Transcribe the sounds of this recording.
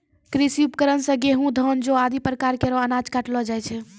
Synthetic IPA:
kɾisiupkəɾənsə̃ɡeɦũd̪ʱɔnd͡ʒoad̪ipɾəkaɾkeɾɔənad͡ʒkaʈlɔd͡ʒajt͡ʃʰɛ

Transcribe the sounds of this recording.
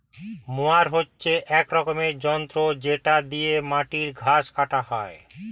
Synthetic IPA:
moaɾɦotːɕʰeʔɛkɾɔkomeɾd͡ʑɔnt̪ɾod͡ʑeʈad̪ijemaʈiɾɡʱaʃkaʈahɔe

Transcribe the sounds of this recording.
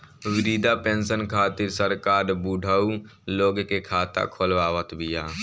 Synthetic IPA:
ʋɪɾiːd̪apẽːnsənkʰaːt̪ɪɾsəɾkaːɾbuːɖʱəu | loːɡkekʰaːt̪a̰kʰoːlʋaːʋət̪bʱɪjaː

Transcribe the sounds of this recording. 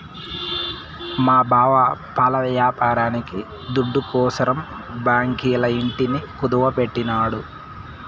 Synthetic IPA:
maːbʱaːʋɐpaːlɐʋjaːpaːɾaːniki | d̪uɖːukɔːsɐɾɐm | baːŋkiːlɐiɳʈinikud̪ɐʋɐpeʈːinaːɽu

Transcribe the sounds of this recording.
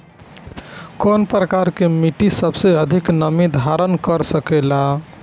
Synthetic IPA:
konpɾəkaɾkemiʈisəbseəd̪ʱiknəmid̪ʱaɾənkəɾsəkela

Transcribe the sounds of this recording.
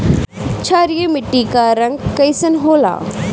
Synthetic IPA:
t͡ʃʰaːɾijemɪʈːikaːɾɐŋɡkɐjsɐnɦoːla̰ː

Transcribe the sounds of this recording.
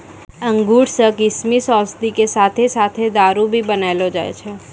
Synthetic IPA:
əŋɡuɽsəkɪsmisɔ̃sd̪ikesat̪ʰesat̪ʰed̪aɾubʱibənaelod͡ʒa̰jt͡ʃʰe

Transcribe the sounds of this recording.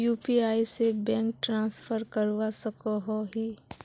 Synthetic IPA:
juːpiaːisebɛ̃ːŋk̚ʈɾãːsfʰəɾkəɾwasəkoɦoɦiː

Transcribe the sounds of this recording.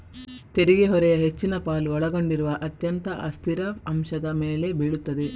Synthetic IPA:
t̪eɾiɡeɦɔɾɛjɐɦe̞t͡ʃːinɐpaːluɔɭɐɡo̞ɳɖiɾuʋɐʔɐt̪jɐnt̪ɐʔɐst̪iɾɐɐmʃɐd̪ɐmeːle̞biɭut̪ːɐd̪e

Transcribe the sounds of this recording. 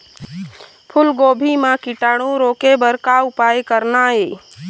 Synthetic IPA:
pʰʊlɡoːbʱimãkiʈaːɽ̃ũɾoːkebəɾkaʊpaːjkəɾnaɦeː

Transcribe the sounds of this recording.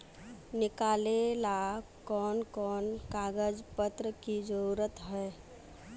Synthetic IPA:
nɪkaːlela | kɔːnkɔːnkaːɡəd͡ʒpət̪ɾəkid͡ʒəɾuɾət̪ɦɛː

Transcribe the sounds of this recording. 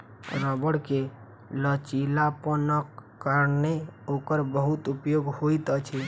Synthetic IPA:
ɾəbəɽke | lət͡ʃilapənəkː | əɾneokəɾbəɦut̪upjoɡhoit̪ət͡ʃʰi

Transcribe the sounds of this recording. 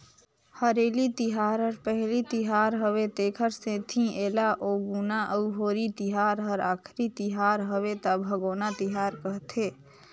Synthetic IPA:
həɾeːlit̪iɦaːɾɦəɾpəɦlit̪iɦaːɾɦəbet̪eːkʰəɾsẽt̪ʰĩeːlaʔoːɡunaʔəuɦoːɾit̪iɦaɾɦəɾaːkʰɾit̪iɦaɾɦəbet̪abʱəɡoːnat̪iɦaɾkəɦt̪ʰeː

